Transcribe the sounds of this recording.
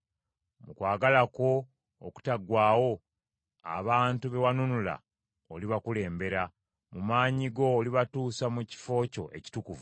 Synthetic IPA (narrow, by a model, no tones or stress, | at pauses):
mukwaːɡalako̞ː | ku̥taɡwaːwo̞ | a̰βaːntuβe̞wanunula̰ | oliβakule̞ːmbe̞ɾa | mumaːɲiɡo̞ːliβatuːsamuci̥fo̞ːco̞̰ʔe̞̰ci̥tukuvu